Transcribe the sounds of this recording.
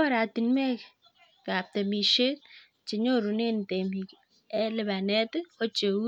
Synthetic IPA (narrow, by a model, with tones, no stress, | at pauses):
ɾa˨t̪i˨nmɛ˦ | ka˨p̚t̪ɛ˨mi˨ʃe˦t̚ | t͡ʃɪ˨ɲo˦ɾu˨ne˦nt̪e˨mi˨k | ɛ˦lɪ˨ba˨nɛ˦tko˦t͡ʃe˨u˦